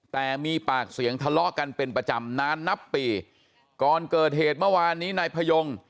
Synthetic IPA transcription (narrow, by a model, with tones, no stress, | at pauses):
t̪ɛː˨˩miː˧paː˨˩k̚si˨˩˦əŋt̪ʰa˧lɔ˦˥ʔka˧npe˧npɾa˧t͡ɕa˧mnaː˦˥nːa˦˥pːiː˨˧ | kɔː˨˩nkɤː˨˩t̪̚ɦeː˨˩t̪̚mɯ˥˩˨waː˧nːiː˦˥naː˧jpʰa˧jo˧ŋ